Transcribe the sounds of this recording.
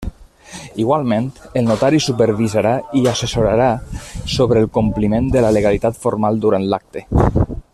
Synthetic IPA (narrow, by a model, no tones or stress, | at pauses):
iɣwalˠmẽnt̪əlˠnut̪aɾisupəɾβizaɾaiasəsuɾaɾasoβɾəːlˠkumplimend̪ələləɣalit̪at̪foɾmalˠd̪uɾant̪lak̚t̪e